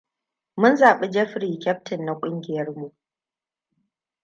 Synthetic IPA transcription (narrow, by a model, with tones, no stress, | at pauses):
mʊ˦nzaː˨ɓe˦d͡ʒɛ˦ɸɾiː˨kʲɛ˦p̚tɪ˨nːa˨kʷʼʊ˦ŋɡʲɪ˨jɐ˦rmu˨ʔ